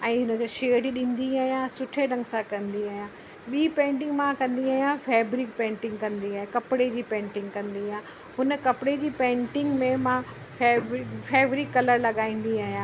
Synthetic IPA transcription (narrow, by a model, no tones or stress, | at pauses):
ɛ̃ːɦʊnəkeʃeːɖiɗĩːnd̪iaːɦjãsʊʈʰeɾɐ̃ŋɡsãkɐ̃nd̪iaːɦijã | ɓiːpẽːɳʈɪ̃ŋɡmãkɐ̃nd̪iaːɦjãfɛːbɾikpẽːɳʈɪ̃ŋɡkɐ̃nd̪iaːɦẽkɐpɪɽed͡ʑiːpẽːɳʈɪ̃ŋɡkɐ̃nd̪ijã | ɦʊnə̆kɐpɪɽed͡ʑiːpẽːʈɪ̃ŋɡmẽmã | febfɛːʋɾikːɐləɾlɐɠaːĩːn̆d̪iaːɦijã